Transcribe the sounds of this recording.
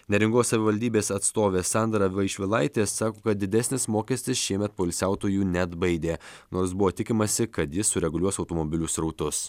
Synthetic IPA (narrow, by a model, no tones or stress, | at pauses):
nʲɛɾʲɪŋɡoːssɐʋʲɪʋɐlʲd̪ʲiːbʲeːsɐt̪st̪oːʋʲeːsɑˑnd̪ɾɐʋɐɪʃʲʋʲɪlˠɐɪt̪ʲeːsːɑːkoːkɐt̪̚d̪ʲɪd̪ʲɛsʲnʲɪsmoːkʲɛsʲt̪ʲɪsʃʲiɛmʲɛt̪̚poːɪlʲsʲæˑʊt̪oːjuːnʲɛd̪bɐɪd̪ʲeːnoːɾsbʊʋoːt̪ʲɪkʲɪmɐsʲɪkɐt̪jɪssʊɾʲɛɡʊlʲuɔsɒʊt̪oːmɔbʲɪlʲuːsɾɒʊt̪ʊs